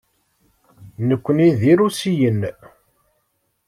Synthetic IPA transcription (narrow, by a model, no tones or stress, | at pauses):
nəkʷːəniðiɾusijən